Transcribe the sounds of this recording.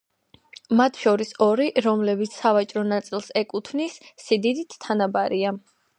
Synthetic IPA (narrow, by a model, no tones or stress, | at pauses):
mat̪ʰʃɔɾisɔɾiɾɔmlɛbit̪sʰsavat͡ʃʼɾɔnat̪sʼilˠsɛkʼut̪ʰvnisːid̪id̪it̪ʰt̪ʰːanabaɾia